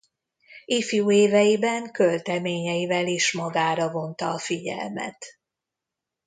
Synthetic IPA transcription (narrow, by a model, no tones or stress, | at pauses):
ifjuːeːvɛjibɛŋkø̞lt̪ɛmeːɲɛjivɛliʃmɒɡaːɾɒvo̞nt̪ɒːfiɟɛ̰lmɛ̰t̪